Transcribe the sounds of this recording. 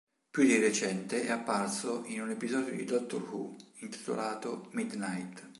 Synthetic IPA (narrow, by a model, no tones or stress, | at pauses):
pjud̪iret͡ʃɛnt̪eʔɛapːarsoʔinunepizɔːd̪jod̪ḭd̪ɔt̪ːo̰rhṵint̪i̥t̪o̰laːt̪omid̪najt̪